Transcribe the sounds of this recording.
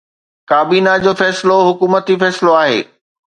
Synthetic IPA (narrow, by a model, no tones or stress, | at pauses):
kaːbiːnad͡ʑoːfɛːsɪloɦʊkuːmət̪ifɛːsɪloaːɦḛː